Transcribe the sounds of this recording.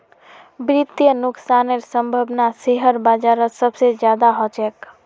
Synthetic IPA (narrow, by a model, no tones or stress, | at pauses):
bɾit̪jənuksaneɾsəmbʱəbnaseɦəɾbad͡ʒaɾəsəbsed͡ʒjad̪aɦot͡ʃɛk